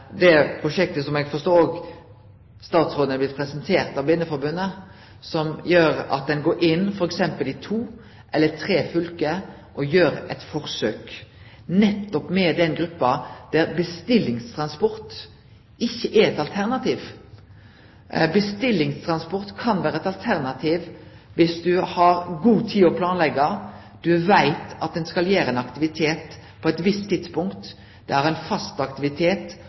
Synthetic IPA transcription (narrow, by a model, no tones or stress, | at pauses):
d̪ɛpʰʁʊʃɛk̚t̪əsɔmɛɡfɔst̪oːoːɡ | st̪ɑːt̪sɾoːd̪əəblɪt̪pʰɾɛsənt̪ʰeːʁt̪ɑʋbɪnːəfɔɾbʉnːə | sɔmjøːɾɑ̰t̪̚d̪ɛnɡoːɾʔɪnːfɔɾɛksɛmpəlɪt̪ʰuː | ʔɛlːət̪ʰɾeːfʏlkə | ʔɔjøːɾɛt̪fɔʁsøːk | nɛt̪ːɔpmɛd̪ɛnɡɾʉpːɑd̪̥æɾbəst̪ɪlːɪŋst̪ʰɾɑnspɔɾt̪ | ɪçːəʔæɾɛt̪ɑlt̪ʰæʁnɑt̪ʰiːʋ | bəst̪ɪlːɪŋst̪ʰɾɑnspɔʁt̪kʰɑnʋæːɾəɛt̪ɑlt̪ʰæʁnɑt̪ʰiːʋ | ʋɪsd̪ʉhɑɾɡuːt̪ʰiːɔpʰlɑːnlɛɡɑ | d̪̥ʉʋæɪt̪ɑt̪̚d̪ɛnskɑljæːɾəɛnɑkt̪ɪʋɪt̪ʰeːt̪ | pʰɔɛt̪ʋɪst̪ʰːɪd̪̥spʊŋkt̪ | d̪̥ɛhæɾæɪnfɑst̪ɑkt̪ɪʋɪt̪ʰeːt̪